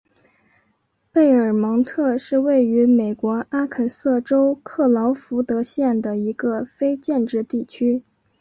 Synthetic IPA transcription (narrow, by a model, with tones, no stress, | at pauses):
pe˥˩ɪə˞˨˩mɤ˧˥ŋt̪ʰɤ˥˧ʂɻ̩˥˧we˥˩ɪy˧˥me˨˩ɪkwɔ˧˥ʔa˥kʰə˨˩nsɤ˥˩ʈ͡ʂo˥ʊkʰɤ˥˩lɑ˧˥ʊfu˧˥t̪ɤ˧˥ɕjɛ˥˩nd̪ə˩i˧˥ɡ̥ə˧fe˥ɪt͡ɕjɛ˥˧nʈ͡ʂɻ̩˥˧t̪i˥˩t͡ɕʰy˥